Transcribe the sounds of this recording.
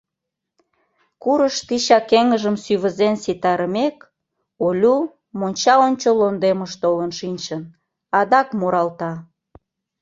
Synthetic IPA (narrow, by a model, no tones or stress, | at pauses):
kuɾəʃt̪iɕɑkeŋəʒəmsyβəzensit̪ɑɾəmek | olʲu | monʲt͡ɕɑonʲt͡ɕolond̪eməʃt̪olənʃinʲt͡ɕən | ɑd̪ɑkmuɾɑlt̪ɑ